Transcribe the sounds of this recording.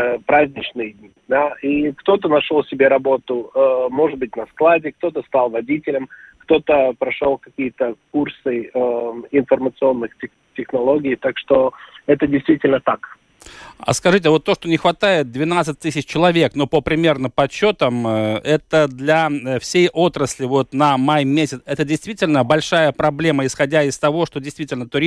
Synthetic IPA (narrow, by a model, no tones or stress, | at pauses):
pɾazʲnʲɪt͡ɕnɨjdʲnʲid̪aikt̪o̞t̪ənɐʂolˠsʲɪbʲeɾɐbo̞t̪ʊmo̞ʐɨd̪̚bɨtʲnɐsklˠadʲɪk̚t̪o̞t̪əst̪alˠvɐdʲitʲɪlʲəmkt̪o̞t̪əpɾɐʂolˠkɐkʲijət̪əkursɨ | ɪnfərmət̪sɨo̞nːɨxtʲɪ | tʲɪxnɐlˠo̞ɡʲɪːt̪akʂt̪o̞ɛt̪ədʲɪjst̪vʲitʲɪlʲnət̪ak | ɐ̰skɐʐɨt̬ʲɪvo̞t̪ːo̞ʂt̪onʲɪxvɐt̪ajɪt̪̚d̪vʲɪnat̪sɨt̚ʲt̪ɨsʲɪt͡ɕt͡ɕːɪlˠɐvʲe̞kno̞pəpɾʲɪmʲe̞rnəpɐt͡ɕːo̞t̪əmɛt̪əd̪lʲɐfsʲejʔo̞t̪ɾəsʲlʲɪvo̞t̪nɐmajmʲesʲɪt̪sɛt̪ədʲɪjst̪vʲitʲɪlʲnəbɐlʲʂajəpɾɐblʲe̞məɪsxɐdʲaɪst̪ɐvo̞ʂt̪o̞dʲɪjst̪vʲitʲɪlʲnət̪ʊɾʲi